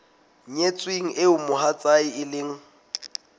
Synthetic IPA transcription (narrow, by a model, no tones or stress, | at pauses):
ɲet͡sʼweŋ̩ʔeʊmʊɦat͡sʼaiɪlɪːŋ̩